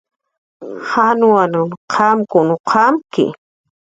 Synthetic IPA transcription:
hanuanʊnqʰamkʊnʊqʰamkɪ̰

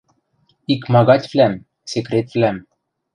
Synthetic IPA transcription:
ikmɑɣɑt̪ʲvlæm | sekɾʲet̪vlʲæm

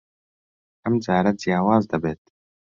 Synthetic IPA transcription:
ɐmd͡ʒaːɾad͡zijaːwaːzd̪ɐbeːt̪̚

